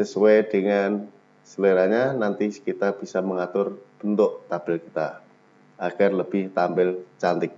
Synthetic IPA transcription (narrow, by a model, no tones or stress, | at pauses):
səsuwed̥ə̤ŋan | səleɾaɲanant̪ikit̪ab̥isaməŋat̪ʊrb̥ənt̪ʊʔt̪ab̥ɪlkit̪a̰ | aɡ̥arləb̥ɪht̪ambɪlt͡ʃant̪ɪk̚